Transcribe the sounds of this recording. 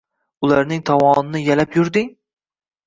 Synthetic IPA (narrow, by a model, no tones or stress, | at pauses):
ʊlaɾn̪ɪŋt̪ʰɒwɒnɪnɪjalapjʊɾd̪ɪŋ